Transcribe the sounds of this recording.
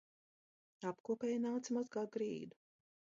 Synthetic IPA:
apkuːpɛːjnaːt̪simazɡaːɡɾiːd̪u

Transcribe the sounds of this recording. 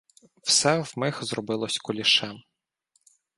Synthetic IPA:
w̥sɛwmɪxzɾɔbɪlˠɔsʲkʊlʲiʃɛm

